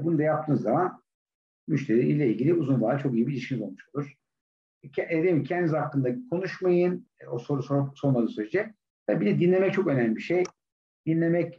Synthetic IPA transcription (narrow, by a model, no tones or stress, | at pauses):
bunud̪ajap̚t̪ʰɯːnzaman | myʃt̪ʰe̞ɾiḭlʲɛilʲɟilʲiuzunvˠaːat͡ʃʰo̞kijibilʲiʃkinizo̞lˠmuʃo̞lˠuɾ̥ʰ | d̪eimcʰɛnd̪izaklːɯnd̪akʰo̞nuʃmajɯnosoɾsoso̞ɾmad̪ɯnsyɾed͡ʒɛ | t̪ʰabibilʲɛd̪inlʲe̞mɛc̚t͡ʃʰo̞kø̞næmlʲibiʃej | d̪̥inlʲe̞mɛc